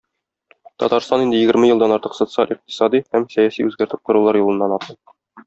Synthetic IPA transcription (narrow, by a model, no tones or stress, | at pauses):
t̪ɒ̰t̪ɑɾst̪ɑnind̪ɘjɘ̆ɡɘ̆ɾmɘjɤ̆d̪ɑnɒɾt̪ɤqso̞t̪sɨalʲʔiq̚t̪i̥sɑd̪ihæmsæjæsḭʉzɡæɾt̪ɘp̚qŏɾulˠɑɾjulˠɤ̆nːɑnɒt̪ɤ